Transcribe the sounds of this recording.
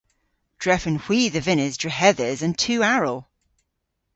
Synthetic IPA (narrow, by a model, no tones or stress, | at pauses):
d̥ɹɛfə̃nhw̥iːðəvɪnɪzdɹəɦɛðəzə̃ntʰʉːaɹəlˠ